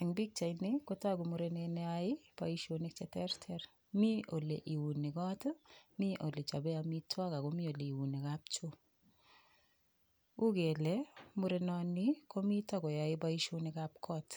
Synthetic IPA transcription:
ɪ˨ŋbi˦k̚t͡ʃa˨inɪ˦ko˦ta˦ɡu˨mu˨ɾe˦ne˧nɛ˦aɪ˦pa̰˨i˦ʃo˦nɪ˨k̚t͡ʃɛtɛ˦ɾtʰɛɾ | mi˦o˨le˨ʔi˨wu˨nɪ˨kɔ˦tmi˦ʔo˨le˨t͡ʃa˨bɛ˦a˨mi˦twa˦ka˨ko˦mi˦o˨le˨i˨wu˨ni˨kap̚t͡ʃo˦ | u˦ɡe˨le˦mu˦ɾe˦nɔ˦nɪ˦ko˦mi˦ta˦ɡɔ˨ja˨ɪ˦ba˦i˦ʃo˦nɪ˨kap̚kʰɔ˦t

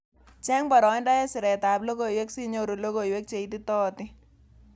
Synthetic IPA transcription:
t͡ʃɛ˦ŋba˨ɾɔ˨˦ɪ˦nda˦jɛ˦sɪ˨ɾɛ˨ta˨plo˦ko˨jwe˦ksi˦ɲo˦ɾu˨lo˦ko˨jwe˦k̚t͡ʃe˨iti˦tɔː˦tɪ˦

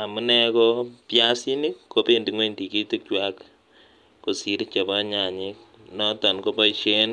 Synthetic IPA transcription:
a˨mu˦nɛkɔpja˦si˦ni˦kkːo˦pe˦ndi˨ŋwe˦ndi˨ki˦ti˦k̚t͡ʃwakː | o˨si˦ɾi˦t͡ʃa˨bɔ˦ɲa˨ɲik̚ | nɔ˦tɔ˨nko˦pɔ˦iʃe˦n

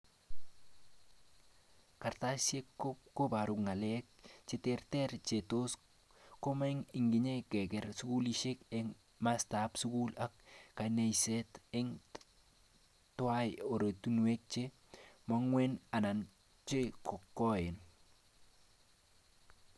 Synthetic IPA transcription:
ka˨ɾta˦sje˦kːopko˦ba˨ɾʊ˨kŋa˨lɛk̚t͡ʃe˦tɛrtɛɾt͡ʃe˨to˦s | ko˦ma˦ɪŋɪ˨ŋɡɪ˨ɲe˦kɛ˨kɛ˨ɾsʊ˦ku˦liʃe˦kɛŋ | mastapsʊ˦kula˦kːa˨ne˨jsɛtɛŋ | twa˦ɪo˨ɾo˨tu˦nu˨e˦k̚t͡ʃe˦ | ma˦ŋwɛ˦na˨na˨n | t͡ʃe˦kɔ˨kːɔ˦ɪ˨n

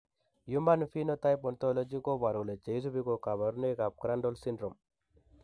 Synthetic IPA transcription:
ju˦mba˦nfi˦no˦ta˦jpɔ˨nto˦lo˦d͡ʒi˦ko˦ba˨ɾu˨le˨t͡ʃe˨i˦s̬u˦bi˦ko˨ka˨βa˨ɾu˦ne˦ka˨p̚kɾa˦ndɔ˦lsi˦ndɾo˨m

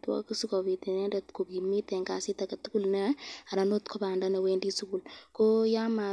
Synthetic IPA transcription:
twɔ̰˦ki˦su˦ko˨bi˨tɛ˨ne˦dɛ˨tko˨ɡi˨mi˦tɛ˨ŋka˨si˦ta˨kɐ˨tu˦ku˦lnɛ˦a˨ɾa˨no˦t̪kɔ˦ba˨nda˦na˨we˦ndi˦su˦ku˨lko˦ja˦ma˨

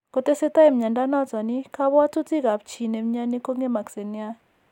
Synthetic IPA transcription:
ko˨˦te˦sɛ˦ta˦ɛ˨m̩˨ɲa˨nda˦nɔ˦˨t͡sa˨ni˦kʰa˦βwa˦tu˦ti˦ɣa˨p̚t͡ʃʰi˨ne˨m̩˦ɲa˦ni˦ko˦ŋe˦ma˨kse˨ni˦a˦

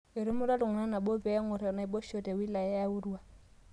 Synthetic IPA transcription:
ɪ˨ɾɪ˦mʊ˦ɾa˦lʊ˨ŋ̩˨na˦na˨bɔ˦bɛ˨˦ŋʊ˨ɾɛ˨na˨i˨bɔ˦ʃɔ˨tʼɛ˨wi˦la˨ɛ˦ja˦ʊ˦ru˦a˦˨

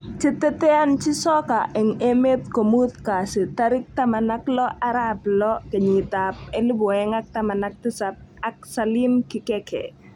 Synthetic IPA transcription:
t͡ʃet̪ɛ˦t̪ɛ˦a˦nt͡ʃi˦sɔ˦ka˨ʔɛ˨ŋe˦me˦t̪ko˨mu˦t̪ka˨sɪ˨t̪aɾɪ˦k̚t̪a˦ma˨naklɔ˦ʔaɾablɔ˦ke˨ɲɪ˨t̪ap̚ɛ˦li˦bɔ˨ɛŋak̚t̪ama˨nak̚t̪ɪ˦sap̚ak̚sali˦mkɪ˨kɛkʰɛ̰

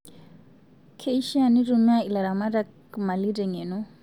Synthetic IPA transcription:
kʰe˨i˦ʃa˨ni˦ɾu˦n˦a˦i˨la˨ɾa˨ma˦ɾa˦k | ma˨li˦dɛ˨ŋe˨nɔ˦

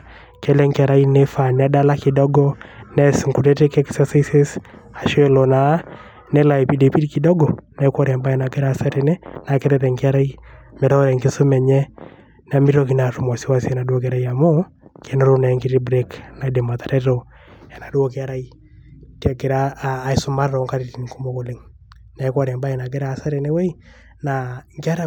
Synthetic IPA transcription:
kɛ˦lɛ˦ŋka˨ɾa˦inɛfa˨nɛ˦da˦la˦ki˨dɔ˦ɡɔ˦nɛ˦sŋku˨ɾɛ˦te˦kɛ˦ksasi˦se˦s | a˨ʃɛ˦lɔ˨na˨˦ | nɛ˦la˨ɛ˨pi˨de˨pi˦diki˨dɔ˦ɡɔ˨na˨kwɔ˦ɾɛ˨mba˦ja˨na˨kɛ˦ɾasa˦ɾenɛ˦na˨kɛtɛtɛ˨ŋki˦a˦ɾa˦i˦mɛ˨ɾɔ˦ɾɛ˨ŋɡe˦so˦mɛ˨ɲɛ˦ | na˨mi˦ɾo˦k̬i˨na˨ru˨mɔ˨si˦wa˦si˦ɛ˨na˨dwo˦k̬e˦aɾa˦ia˨mo˦ | kɛ˦no˦ɾo˦na˨ɛ˦ŋɡi˦ɾi˦bɾekna˨de˨ma˨ta˨ɾɛ˦ɾo | ja˨na˨du˦o˦kɪ˦a˦ɾa˦i | tɛ˨ɡɪ˨ɾaː˦˨isʊ˦ma˦ɾaɾɔ˨ŋka˦ɾi˨ti˨nku˦mo˨ko˨le˦ŋ | na˨i˦kwɔ˦ɾɛ˨mba˦ɛ˨na˨ɡe˦ɾaː˦˨sa˦ɾɛ˨ne˦we˦i˦ | na˨ŋɡa˦ɾa˦

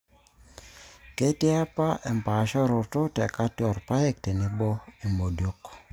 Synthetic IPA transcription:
ke˦ti˦a˦pa˦ʔɛ˨mpa˨ʃɔ˦ɾʊ˨tʊ˦tɛ˨ka˦tɔ˨ɾpa˦jɛ˦k̚tɛ˨nɪ˦bɔ˦i˨mo˨djo˦k

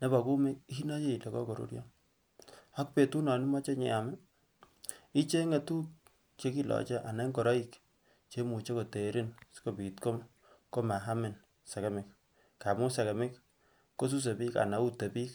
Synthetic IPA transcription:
ne˦ba˨ku˦me˦ki˦i˦na˦je˦i˨le˨kɔ̰˦ko˨ɾṵ˦ɾja̰˦n | a˦k̚pe˨tu˦na˨ni˦ma˦t͡ʃe˦ɲɛ̰˨a˨mɪ˦ | i˦t͡ʃe˦ŋe˨tu˦k | t͡ʃe˦ki˦lɔ̰˨t͡ʃɛ˦ʔa˨na˦ŋkɔ˨ɾa˦i˨k | t͡ʃe˦mu˨t͡ʃe˦ko˨te˨˦ɾi˦nsko˦˨pi˨tko˦m | ko˦ma˨ɦa˦mɪ˨n | sa˨ka˦mɪ˨˦k̚ː | a˨mʊ˦sa˨ka˨mɪ˦k | kːo˦s̬u˦s̬e˨pi˦ka̰˨na˨˦u˦te˨pi˦k

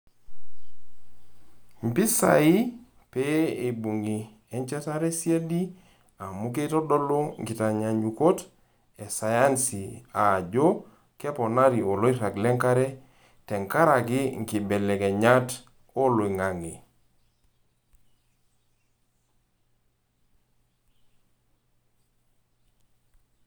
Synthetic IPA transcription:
m̩˨pi˦sa̰˨i˦ | pe˦e˨bu˨ŋi˨ | ɛ˦ɲt͡ʃɛ˦ta˦ɾe˦sje˦di˦ | a˨mu˦ke˦tɔ˦dɔ˦lo˦ŋɡi˨ta˨ɲa˨ɲu˨ko˦t | ɛ˨sa˨ja˦nsi˨a˨d͡ʒo˦ | kɛ˦pɔ˨na˦ɾi˨o˨lo˦i˦ɾa˨klɛ˦ŋka˦ɾɛ˦ | tɛ˨ŋka˦ɾa˨kɪ˦ŋ˨ki˨bɛ˨lɛ˨kɛ˨ɲa˦t | o˦lo˨i˨ŋa˨ŋi˨

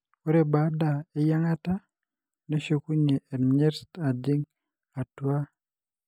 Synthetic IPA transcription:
o˦ɾe˨ba˦da˨e˦ja˦ŋa˦ta˦ | ne˦ʃe˦ku˦ɲeː˨nɲe˦ɾsta˨di˦ŋ | a˨twa˦

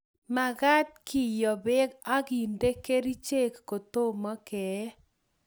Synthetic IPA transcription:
ma˨ɡa˦t̚kʰi˦˨jɔ˨bɛ˦ɡa˦ɡi˨nde˦ke˦ɾi˦t͡ʃe˦kːo˨t̪o˦mɔ˦kɛ˨˦

